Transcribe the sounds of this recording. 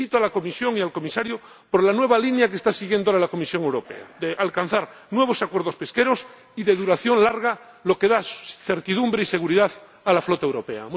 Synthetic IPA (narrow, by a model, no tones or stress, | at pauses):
it̪oalako̞misjo̞ŋialko̞misaɾjo | poɾlanwe̞β̞alinjak̬est̪asiɣje̞nd̪ooɾalako̞misjo̞ŋe̞wɾo̞pḛa̰ðeʔalkan̟θaɾ | nwe̞β̞o̞sakwe̞ɾð̞o̞spe̞ske̞ɾo̞s | iðe̞ðuɾaθjo̞nlaɾɣ̞a | lo̞ke̞ðaθe̞ɾt̪iðumbɾeise̞ɣ̞uɾiðaθ | alaflot̪aewɾo̞pe̞a̰m